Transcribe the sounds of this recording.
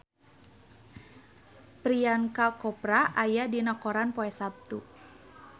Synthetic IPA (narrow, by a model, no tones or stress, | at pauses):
pɾiankakɔpɾaʔajadinakɔɾanpɔɛsap̚t̪u